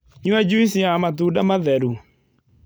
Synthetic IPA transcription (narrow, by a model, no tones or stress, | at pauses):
ɲuɛd͡ʒuisiamatuːdamaðɛɾu